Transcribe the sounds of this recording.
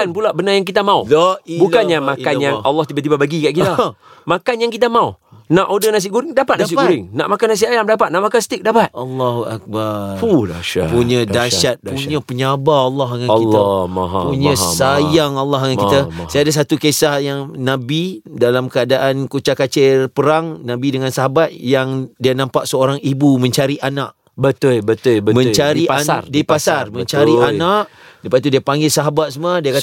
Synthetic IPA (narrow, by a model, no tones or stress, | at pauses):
anpulaʔbənajaŋk̬it̪amãubbukanɲamãkkanjaŋalːɔht̪ibaʔt̪ibabaɡikaʔkit̪a | makanjaŋkit̪̬amãunãʔodənas̬iʔɡuɾɪŋdapat̪̚naas̬iʔɡuɾɪŋna̰ʔmakanːas̬iajamdapat̪̚naʔmakansə̥t̪ɪk̚dapat̪̚ʔalːaɦuak̚baaapuɲə̃daʃat̪̚puɲə̃pəɲabaalːɔɦaŋakilːapuɲə̃sajaŋalːɑɦaŋankkit̪əsaadas̬at̪ukesahjaŋnãbidalamkəadaʔankut͡ʃakat͡ʃerpəɾaŋnabidəŋãnsaɦabat̪̚jaŋdiənãmpaʔsəoɾaŋibumə̃ɲt͡ʃaɾiʔanaʔ | bət̪olbət̪ʊlbəmə̃ɲt͡ʃaɾiaaardipasarmə̃ɲt͡ʃaɾianaʔ | dəpat̪udiəpaŋɡɪlsaɦabat̪̚səmadiəka